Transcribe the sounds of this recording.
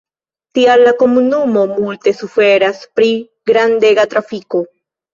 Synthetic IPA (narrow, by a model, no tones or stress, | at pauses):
t̪ialakomunumo̞mult̪e̞sufeɾaspɾi | ɡɾand̪eɡat̪ɾafiko